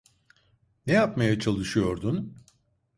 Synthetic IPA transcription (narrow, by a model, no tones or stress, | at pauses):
nɛjapmajat͡ʃʰalˠɯʃɯjo̞ɾd̪un